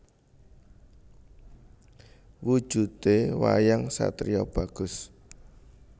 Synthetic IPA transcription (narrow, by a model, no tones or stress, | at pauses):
wud̥ʒ̥ṳt̪ewa̰jaŋsa̰t̪ɾiɔb̥a̤ɡ̥ʊ̤s